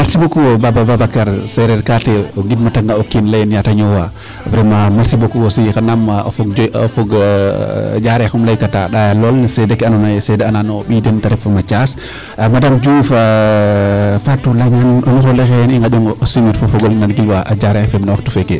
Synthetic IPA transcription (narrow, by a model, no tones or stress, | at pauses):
maɾsibokuwɔbabababakaɾsɛɾɛɾkatɛɔɡidmataŋɡaokːinlajɛnjataɲɔwa | pɾɛmamaɾsibokuwɔsijikanama̰fɔɡɔ̰fɔɡ | d͡ʒaɾɛxumlajkataɗajalɔlnasɛdɛkɛanɔnɔɛsɛdɛananɔɓidɛntaɾɛfamat͡ʃas | madamd͡ʒufa | fatːulajmanɔnixɔlɛxɛɛniŋɡaɗɔŋɡɔɔsimiɾfɔfɔɡɔlnanɡilwaʔad͡ʒaɾɛfɛmnawaxtufɛkɛ